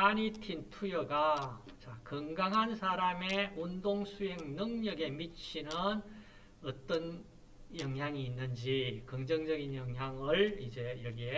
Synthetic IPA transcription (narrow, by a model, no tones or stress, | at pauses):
aɲitʰintʰujʌɡa | t͡ɕakʌŋɡaŋɦansʰaɾameundoŋsʰuɦe̞ŋnɯŋɲʌɡe̞mit͡ɕʰinɯn | ʌt͈ʌn | jʌŋɦjaŋiːnːɯnd͡ʑikʌŋd͡ʑʌŋd͡ʑʌɡinjʌŋɦjaŋɯɭid͡ʑe̞jʌɡie